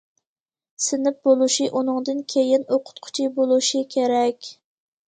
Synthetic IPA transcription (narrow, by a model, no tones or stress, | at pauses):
sɪnɪp̚bolˠuʃiʔunɨŋd̪ɨnkʲʰejinoqʰʊ̥t̪qʰʊ̥t͡ʃʰibolˠuʃikʲʰeɾɛkʲ